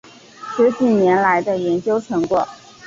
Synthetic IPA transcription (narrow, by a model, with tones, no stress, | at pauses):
ʂɻ̩˧˥t͡ɕi˥˩nnjɛ˧˥nla˧˥ɪd̪ə˧jɛ˧˥nt͡ɕjo˥ʊʈ͡ʂʰɤ˧˥ŋkwɔ˥˩